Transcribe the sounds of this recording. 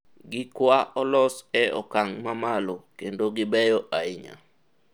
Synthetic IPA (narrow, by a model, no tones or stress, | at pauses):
ɡɪkwaʔɔlɔsɛɔ̰kaŋmamalokendoɡɪbɛjɔʔaɪɲa̰